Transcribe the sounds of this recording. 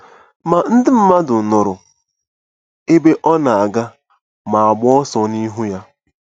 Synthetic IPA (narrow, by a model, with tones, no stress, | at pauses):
ma˨n̩˦dɪ˦m̩˦ma˦dʊ˨n̩˨nʊ˨ɾʊ˨ | e˦be˦ʔɔ˦na˨a˨ɡa˦ | ma˨a˨ɡ͡bɔ˦ɔ˦sɔ˨ni˦ɦu˦ja˦